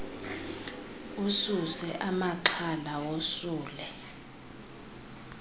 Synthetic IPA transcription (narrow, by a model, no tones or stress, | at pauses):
ususɛʔamaǃʰalawosuːlɛ